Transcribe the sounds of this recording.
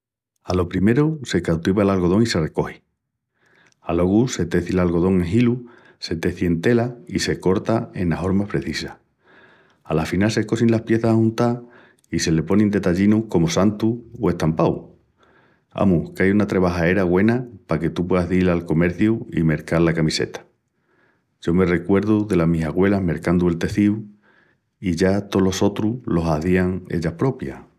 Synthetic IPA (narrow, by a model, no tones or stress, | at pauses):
alo̞pɾime̞ɾuse̞kawt̪iβaelalɣo̞ð̞o̞ŋise̞re̞ko̞hi | alo̞ɣuse̞t̪e̞θilalɣo̞ð̞o̞ŋeɦilu | se̞t̪e̞θje̞nt̪e̞laise̞ko̞ɾt̪ae̞naɦo̞ɾmahpɾe̞θisa | alafinalse̞ko̞sinlahpje̞θahahũnt̪a | ise̞le̞po̞nĩnd̪e̞t̪aʎinuhko̞mosant̪uoe̞ht̪ampaw | a̰muhkajunat̪ɾe̞βaɦae̞ɾaɣwe̞napake̞t̪up̬we̞ðaɦðilalko̞me̞ɾθjuḭme̞ɾkaɾlakamise̞̰t̪ḁ | ʝ̥o̞me̞re̞kwe̞ɾðuðe̞lamisaɣwe̞laɦme̞ɾkand̪ue̞lt̪e̞θiu | iʝat̪o̞lo̞so̞t̪ɾulo̞saðiaŋḛʎahpɾo̞pja̰